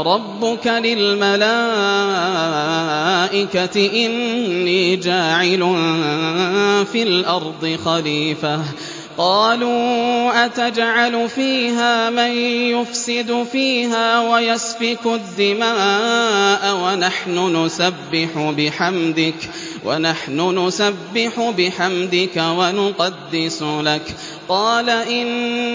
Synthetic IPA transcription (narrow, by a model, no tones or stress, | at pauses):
ɾˤɑbːʊkalɪlmalaː | ʔɪkat̪ɪʔɪnːiːd͡ʒaːʕɪlʊ | fiːlʔɑɾˤd̪ˤɨxaliːfah | qɑːluːʔat̪ad͡ʒʕalʊfiːɦaːmanjʊfsɪd̪fiːɦaːwajasbɪkʊd̪ːɪmaːʔawanaħnʊnʊsabːɪħʊbɪħamd̪ɪk | wʔa̰naħnʊnʊsabːɪħʊbɪħamd̪ɪkawanʊqɑd̪ːɪsʊlak | qɑːlaʔɪn